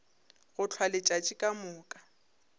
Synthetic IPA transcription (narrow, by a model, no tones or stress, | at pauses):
ɣʊt͡ɬʰwalɪt͡ʃʼat͡ʃʼikʼamʊːkʼa